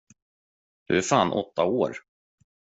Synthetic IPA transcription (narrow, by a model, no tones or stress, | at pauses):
d̪̥ɵæɾfaːnʔɔ̰t̪ːaoːɾ